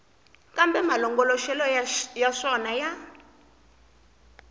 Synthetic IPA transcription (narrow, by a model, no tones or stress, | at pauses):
kʼambɛmalɔŋɡɔlɔʃɛlɔjaʂɔnaja